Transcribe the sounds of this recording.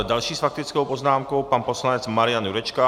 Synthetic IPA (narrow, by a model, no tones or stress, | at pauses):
d̪alʃiːsfak̚t̪it͡skowpɔznaːmkoʊpanpɔslaɲɛt͡smaɾɪjanjuɾɛt͡ʃka